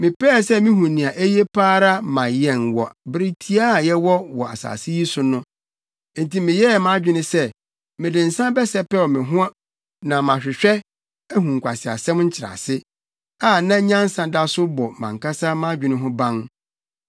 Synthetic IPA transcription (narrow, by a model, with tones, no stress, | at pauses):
mɪ̃˨pɛ˦˨sɛ˦mĩ˦ɦũ˨nĩ˨a˨ʔe˦je˦pʰaː˦ɾa˦mã˨jɛ˨nwɔ˨bɪ˦ɾɪ˦tʰi˦a˦˨jɛ˦wɔ˦wɔ˨a̰˨sa̰ː˨sɪ˦ji˦sʊ˨nʊ̃˦ | n̩˨ti˨mɪ̃˨jɛ˦˨mã˦d͡ʑᶣɪ˦nɪ̃˦sɛ˦ | mɪ̃˨dɪ̃˨n̩˨sã˦bɛ˦sɛ˦pɛ˦wɔ˨mɪ̃˨ɦʊ̃˦a˦ | nã˨mã˨ɕᶣɪ˨ɕᶣɛ˦ | æ˦ɦũ˨ŋ̩˨kʷʰa˨sɪ˨a̰˨sɛ̃˦mɲ̩˦t͡ɕʰɪ˨ɾa̰˨sɪ˦ | a˦˨nã˦ɲã˦n˦sã˨da˦sʊ˦bɔ˨mã̰˨ŋ˨kʰa˦sa˦mã˦d͡ʑᶣɪ˨nɪ̃˦ɦʊ̃˦bã˦ŋ